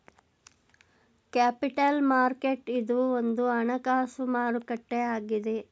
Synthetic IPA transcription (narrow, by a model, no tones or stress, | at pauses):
kaːpiʈɐlmaːɾkeʈid̪uond̪uɐɳɐkaːsumaːɾukɐʈːeaːɡid̪e